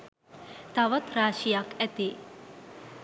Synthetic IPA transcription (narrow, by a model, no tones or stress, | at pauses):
t̪aʋət̪ɾaːɕijakɛt̪e